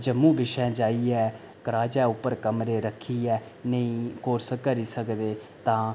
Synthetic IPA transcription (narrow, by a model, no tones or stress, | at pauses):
d͡ʒəmũːbɪʃɛ̃ːd͡ʒaːiːɛː | kəɾaːd͡ʒɛːʊpːəɾkəmɾeːɾəkʰːiːɛːnəĩːkoːɾskəɾiːsəkd̪eː | t̪ãː